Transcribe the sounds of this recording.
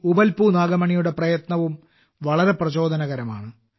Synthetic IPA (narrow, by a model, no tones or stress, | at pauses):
ubɐlpunaːɡɐmɐɳijuɽe̞prɐjɐt̪nɐʋum | ʋɐɭɐɾe̞prɐt͡ɕo̞ːd̪ʱɐnɐɣɐɾɐma̰ːɳɨ